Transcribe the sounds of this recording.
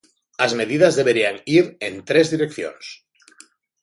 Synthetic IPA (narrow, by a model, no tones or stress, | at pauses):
azme̞ðiðazðe̞βe̞ɾiaŋiɾent̪ɾe̞zðiɾe̞kθjo̰ns